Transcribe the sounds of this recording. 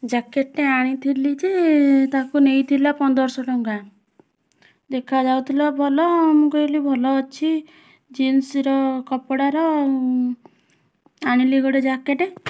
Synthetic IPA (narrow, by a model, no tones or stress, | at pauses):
d͡ʒakeʈeaɽ̃it̪ʰilid͡ʒet̪akunejt̪ʰilapɔnd̪ɔɾsɔʈɔŋɡa | d̪ekʰad͡ʒawt̪ʰilabʱɔlɔːmɔkɔilibʱɔlɔːt͡ʃʰi | d͡ʒensiɾɔkɔpɔɽaɾɔ | aɽ̃iliɡɔɽed͡ʒakeʈe